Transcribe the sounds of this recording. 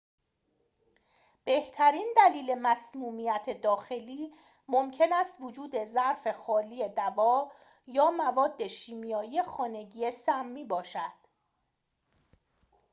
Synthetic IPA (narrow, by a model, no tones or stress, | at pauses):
b̥e̞ht̪ʰæɾiːnd̪æliːle̞mæsmuːmijæt̪ʰe̞d̪ɒːxe̞liː | momcʰe̞næst̪vod͡ʒuːd̪e̞zæɾfe̞xɒːliːjed̪ævɒː | jɒːmævɒːd̪ːe̞ʃiːmijɒːije̞xɒːne̞ɟiːje̞sæmːiːbɒːʃæd̪̥